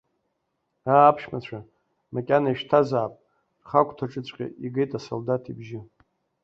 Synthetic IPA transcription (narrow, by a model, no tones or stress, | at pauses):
aːpʰʃmat͡ɕʷʰa | makʲʼanaiʃtʰazaːpʼ | rχakʷʰʼtʰaʈ͡ʂʼɨt͡ɕʷʼqʲʼa̰iɡejtʼaso̰ldatʰibʒɪ